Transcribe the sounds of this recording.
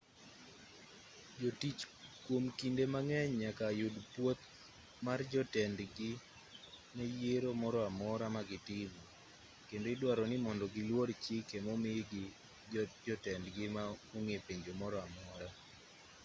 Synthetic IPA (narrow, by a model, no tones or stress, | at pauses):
d͡ʒotit͡ʃkwomkindemaŋɛɲɲakajʊdpwot̪̚ | mard͡ʒɔtɛndɡɪ | mɛjeɾomɔɾɔamɔɾamaɡɪtɪmɔ | kendoɪdwaɾɔnɪmɔndɔɡɪlwort͡ʃɪkemɔmɪɡɪ | d͡ʒɔtɛndɡɪmauŋepeɲd͡ʒomɔɾɔamɔɾa